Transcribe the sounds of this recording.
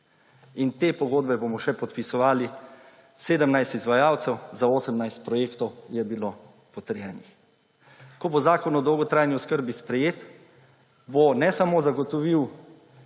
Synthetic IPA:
int̪eːpɔɡoːd̪bɛbomɔʃɛpɔt̪pisɔʋaːli | seːd̪əmnajst̪izʋajaːwt̪sɛwzaoːsəmnajst̪̚pɾɔjeːkt̪ɔwjɛbilo | pɔt̪əɾjɛːnix | kɔbozaːkɔnɔd̪ɔwɡɔt̪ɾaːjniɔskəɾbispɾɛjeːt̪ | bonɛsamozaɡɔt̪ɔʋiw

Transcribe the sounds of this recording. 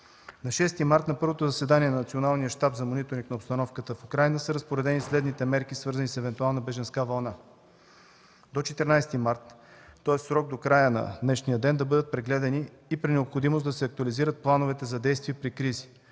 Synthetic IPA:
nɐʃɛst̪imaɾt̪nɐpɤɾvot̪ozɐsɛd̪aniɛnɐnɐt̪sionalˠnijəʃt̪apzɐmonit̪oɾniknɐopst̪ɐnɔfkət̪əfukɾajnəsəɾəspoɾɛd̪ɛnislɛd̪nit̪ɛmɛɾkisvɤɾzənisɛvɛnt̪ualˠnəbɛʒɐnskavɐlˠna | d̪ot͡ʃɛt̪ɛɾnajst̪imaɾt̪ːɔɛst̪sɾɔɡ̚d̪okɾajənɐ̰d̪nɛʃnijəd̪ɛnd̪ɐbɤd̪ət̪̚pɾɛɡlɛd̪ɛniː | pɾinɛopxod̪imosd̪ɐsɛɐk̚t̪uɐliziɾət̪̚plˠanovɛt̪ɛzɐd̪ɛjst̪viɛpɾikɾizi̥

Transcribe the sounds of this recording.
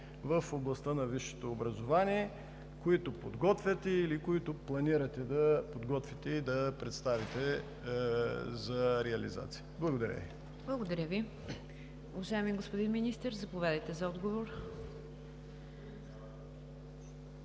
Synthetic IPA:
vəfoblˠɐst̪ənɐviʃːɛ̥t̪oːbɾɐzovaniɛ | koit̪opod̪ɡɔt̪vʲjət̪ɛilikoit̪oplˠɐniɾɐt̪ɛd̪ɐpod̪ɡɔt̪vʲit̪ɛid̪ɐpɾɛt̪st̪avit̪ɛ | zɐɾɛɐlḭza̰t̪sijəblˠɐɡod̪ɐɾʲə̰vi | blˠɐɡod̪ɐɾʲəvi | uvɐʒaɛmiɡospʊd̪inminist̪ɛɾzɐpovɛd̪əjt̪ɛzɐɔd̪ɡovoɾ

